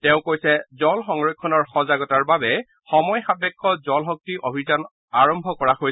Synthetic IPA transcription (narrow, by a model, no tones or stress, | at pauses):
tɛʊ̃kojsɛzɔlxɔŋɹɔkʰːɔnɔɹxɔzaɡɔtaɹbabɛ | xɔmɔjxabɛkʰːɔzɔlɦɔk̚tiʔobʱizan | aɹɔmbʱɔkɔɹaxoj